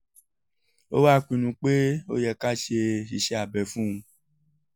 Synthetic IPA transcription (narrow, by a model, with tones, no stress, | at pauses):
o̰˦wa˦˨k͡pĩ˧˨nũ˧k͡pe˦o˦jɛ˧ka˦ʃe˧i˧ʃɛ˦a˨bɛ˧fũ˦ũ˧